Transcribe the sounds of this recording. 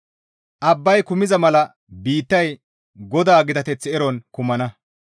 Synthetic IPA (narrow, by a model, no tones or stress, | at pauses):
ʔɐbːɐjkʊmɪzɐmɐlɐ | biːt̪ːɐj | ɡɔd̪aːɡɪd̪ɐt̪ɛt͡sːɪɛɾɔnkʊmɐnɐ